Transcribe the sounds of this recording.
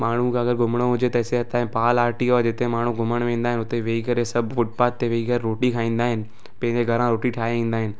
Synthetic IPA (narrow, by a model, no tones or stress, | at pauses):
maːɳ̤ũkʰãɐɡəɾɡʊmɽ̃oɦʊd͡ʑet̪ɐɪseɦɐt̪ãːẽpaːlaːɾʈioːed͡ʑɪt̪eẽmaːɳ̤ũɡʊməɽ̃ʋẽːn̆d̪aːɦɪnʊt̪eʋeːikɐɾesɐbʱfʊʈ̚paːt̪ːeʋeiɡɐɾːoːʈikʰaːĩːnd̪aːɦɪnɪ̆ | pɐ̃ɦɪ̃ɲd͡ʑeɡʱɐɾãɾoːʈiʈʰaːɦiĩːnd̪aːɦɪnɪ̆